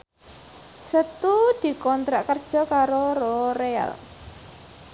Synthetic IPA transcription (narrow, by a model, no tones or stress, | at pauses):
sət̪ud̪̥i̤kɔnt̪ɾaʔkərd̥ʒ̥ɔ̤kaɾoroɾea̰l